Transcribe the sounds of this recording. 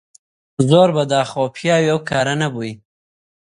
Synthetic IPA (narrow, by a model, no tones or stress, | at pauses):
zoɾbad̪ɑxopʰjɑwiawkʰɑɾanaboi